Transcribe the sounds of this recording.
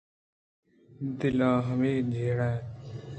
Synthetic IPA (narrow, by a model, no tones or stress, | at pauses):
d̪ɪlãːɦəmeːd͡ʒʱeːɽɛ̃ː